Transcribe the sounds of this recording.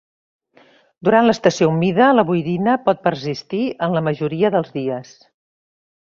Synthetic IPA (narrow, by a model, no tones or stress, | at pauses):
d̪uɾanləst̪əsioumiðələβujðinəpɔt̪̚pəɾsist̪iənləməʒuɾiəðəlˠzðiəs